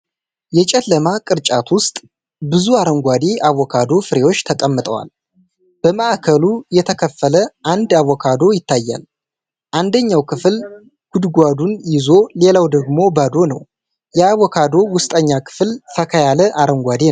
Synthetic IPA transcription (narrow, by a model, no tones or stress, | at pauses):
jɛt͡ʃʼɛlːəmakʼɨɾt͡ʃʼat̪wʊst̪ʼ | bɨzuaɾəŋɡʷad̪eaβːɔkʰad̪o̞fɨɾe̞wo̞t͡ʃːt̪ʰəkʼəmːɨt̪ʼə̰wa̰l | b̥əməʔakʰəlujɛt̪ʰəkʰəfːələʔand̪awːɔkʰad̪o̞jɪt̪ʰːajːa̰l | ʔand̪əɲːawkʰɨfl | ɡ̥ud̪ɡʷad̪unjɪzo̞le̞lawd̪əɡmo̞bad̪o̞nə̰w | jɛaβɔkʰad̪o̞wʊst̪ʼəɲːakʰɨ̥flfʰəkʰəjaləʔaɾəŋɡʷad̪e